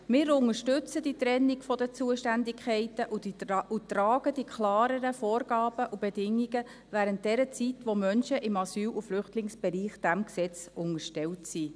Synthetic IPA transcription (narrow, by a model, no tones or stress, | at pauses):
mɪːɾʊŋəʃtʏt͡səd̥it̪ɾɛnːɪɡfɔdət͡suəʃtændɪkʰχɛɪtəʔud̥iut̪ɾɑːɡ̥əd̥ikʰlɑːɾəɾəfoːɾrɡ̥ɑːb̥əʔub̥edɪŋːiɡə | væːɾənt̚d̥ɛɾət͡sitʋomœnʃəʔɪmɑsyːluflʏχtlɪŋsb̥ɛɾiːχd̥æmksɛt͡sʊŋəʃtɛltsi